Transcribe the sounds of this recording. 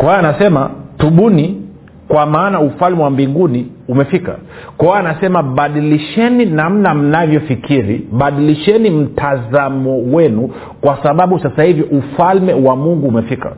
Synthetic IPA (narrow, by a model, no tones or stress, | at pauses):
kwawaːnasɛma̰tuɓuni | kwamaːnaufalmɛwambiŋɡuniumɛfika̰kwawaːnasɛmaɓaɗiliʃɛninam̩nam̩navjɔfikʰiɾḭɓaɗiliʃɛnim̩tʰazamɔwɛnu | kwasaɓaɓusasahivjɔʔufalmɛwamuŋɡuːmɛfika̰